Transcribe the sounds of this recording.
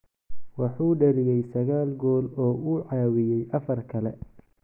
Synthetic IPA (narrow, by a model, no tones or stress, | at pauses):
wɑħuːɖɐlɪjɛjsɐɣaːlɡɔːlɔːuːʕɑːwɪjɛjʔɐfɐrkʰɐlɛ̰